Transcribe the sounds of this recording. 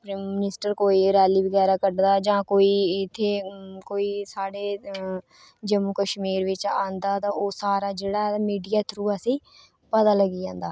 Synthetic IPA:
pɾaːmːnɪsʈəɾkoːiːɾɛːliːbəɡɛːɾaːkəɖd̪aːd͡ʒãːkoːiːɪt̪ʰːeːkoːiːsaːɖeː | d͡ʒəmuːkəʃmiːɾʋɪt͡ʃãːnd̪aːt̪ãːoːsaːɾaːd͡ʒeːɽaːmiːɖijaːt̪ʰɾuːasĩː | pət̪aːləɡiːãːnd̪aː

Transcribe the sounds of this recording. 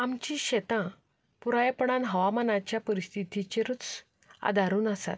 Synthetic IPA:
amt͡ɕĩɕet̪ã | puɾajpɳ̃anɦəʋamanat͡ɕjapəɾist̪ʰit̪it͡ɕeɾut͡s | a̰d̪ʱaɾuːnəsa̰t̪̚

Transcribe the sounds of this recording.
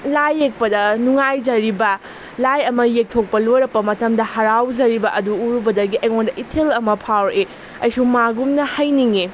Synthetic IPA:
lajːek̚pɐdɐnuŋajd͡ʒɐɾibɐ | lajɐmɐjek̚tʰok̚pɐlojɾɐpːɐmɐtɐmdɐhɐɾawd͡ʒɐɾibɐʔɐduːɾubɐdɐɡiʔɐjŋondɐʔitʰelɐmɐpʰawɾe | ɐjsuŋmaɡumnɐhɐjniŋe

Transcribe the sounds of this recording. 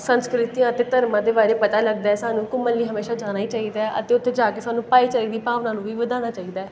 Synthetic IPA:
sə̃nskɾɪt̪ijãːət̪eːt̪əɾmãːd̪eːbaːɾeːpət̪aːləɡ̚d̪aːɛsaːnũːkʊmːəlːiːɦəmeːʃaːd͡ʒaːnaːiːt͡ʃaːiːd̪aːɛʔə̰t̪eːʊt̪ʰːeːd͡ʒaːkeːsaːnũːpaːiːt͡ʃəlid̪iːpaːʋnaːnũːʋiːʋəd̪aːñaːt͡ʃaːiːd̪aːɛː

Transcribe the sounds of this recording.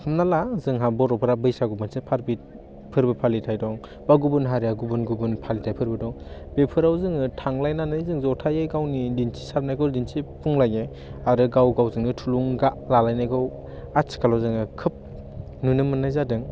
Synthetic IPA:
kʰɯmnalazɯŋɦabɔɾɔpʰɯɾabɯjsaɡumɯnsepʰaɾbit̚ | pʰɯɾbɯpʰalitʰajdɔŋ | baɡubɯnɦaɾijaɡubɯnɡubɯnpʰalitʰajpʰɯɾbɯdɔŋbepʰɯɾawzɯŋɯtʰaŋlajnanajzɯŋzɔtʰajajɡawnidinsʰi̥saɾp̚najɡɯwdinsipʰuŋlaje | aɾɯɡawɡawzɯŋɯtʰuluŋɡaʔlalajnajɡɯw | at͡ʃkalawzɯŋɯkʰɯp̚ | nunɯmɯnajzadɯŋ

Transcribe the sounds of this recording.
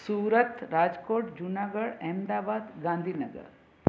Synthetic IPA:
suːɾət̪ɾaːd͡ʒkoːʈd͡ʒunaːɡəɽɛmd̪aːbaːd̪ɡãːnd̪ʱiːnɐɡə̰ɾ

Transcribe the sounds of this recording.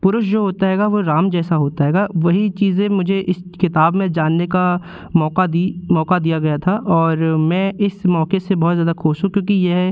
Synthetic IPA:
pʊɾʊʃd͡ʒoːɦoːt̪aɦɛːɡaʋoɾaːmd͡ʒɛːsaɦoːt̪aɦɛːɡaʋɐɦit͡ʃiːzẽmʊd͡ʒʱeʔɪskɪt̪aːbmẽd͡ʒaːnːeka | mɔːkad̪imɔːkad̪ijaɡɐjat̪ʰaʔɔːɾmɛ̃ːʔɪsmɔːkesebɔɦːt̪zjaːd̪akʰoːʃũkjõːkijeɦɛ

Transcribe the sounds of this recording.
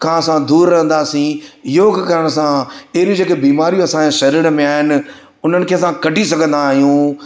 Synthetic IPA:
kʰãɐsãd̪uːɾːɐɦə̃nd̪aːsĩjoːɡkɐɾəɽ̃sãɪɪɾũd͡ʑeːkebiːmaːɾijũɐsãeʃɐɾiːɾmẽaːɦɪnɪ̆ | ʊn̤ənɪ̆kʰeːɐsãkɐɖʱisɐɡʱə̃nd̪aːɦijũː

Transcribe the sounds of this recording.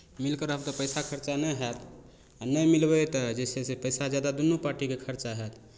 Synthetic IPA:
milkəɾɦəbt̪ɔpəjsakʰəɾt͡ʃanɛjɦɛt̪ʰ | anəjmilbɛt̪əd͡ʒesesepəjsad͡ʒjad̪ad̪unːupaɾʈikekʰəɾt͡ʃaɦɛt̪ʰ

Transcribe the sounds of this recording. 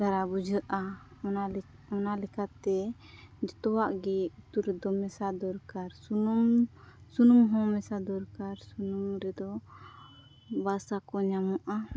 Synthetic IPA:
d̪aɾabud͡ʒəʔaɔna | ɔnalɛkat̪ɛ | d͡ʒɔt̪ɔwaʔɡɛut̪uɾɛd̪ɔmɛsad̪ɔɾkaɾsuum | sunumɦɔ̃mɛsad̪ɔɾkaɾsunumɾɛd̪ɔ | basakɔɲamɔʔa

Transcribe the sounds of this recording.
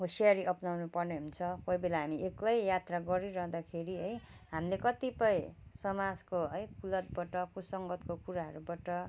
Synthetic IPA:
ɦosiaɾiʔʌpnawnupʌrneɦunt͡sʰʌkʌjbelaɦamiʔeklʌjjat̪raɡʌɾiɾʌɦd̪akʰeɾiɦʌjɦamilekʌt̪ipʌjsʌmad͡zkoɦʌjkulʌt̪̚bʌʈʌkusʌŋɡʌt̪kokuɾaɦʌɾubaʈʌ

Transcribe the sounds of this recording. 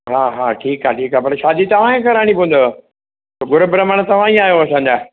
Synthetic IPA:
ɦaːɦaːʈʰiːkɦaːʈʰiːkaːpɐɾʃaːd̪it̪ɐʋ̤ãẽkɐɾaːɽ̃ipũənd̪o | t̪oɡʊɾbɪɾəməñ̆t̪ɐʋ̤ãĩaːɦjoɐsãːɲd͡ʑaː

